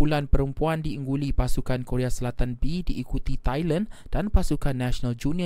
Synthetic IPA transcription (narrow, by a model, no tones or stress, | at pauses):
ulanpəɾəmpuandiəŋɡulipasukankoɾeasəlat̪anbidiːkut̪it̪ajland̥anpasukanːaʃnald͡ʒuniə